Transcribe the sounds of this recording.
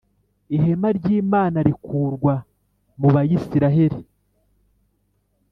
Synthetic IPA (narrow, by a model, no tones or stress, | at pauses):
ihe̞maɾɟiːmaːnaɾikuːɾɡwa | muβajisiɾaɦe̞ɾi